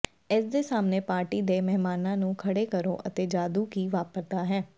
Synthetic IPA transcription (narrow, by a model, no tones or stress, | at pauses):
ɪs̬d̪eːsaːmneːpaːɾʈiːd̪eːmɛɦmaːnãːnũːkʰəɽeːkəɾõ̰ːʔət̪eːd͡ʒaːd̪uːkiːʋaːpəɾd̪aːɦɛː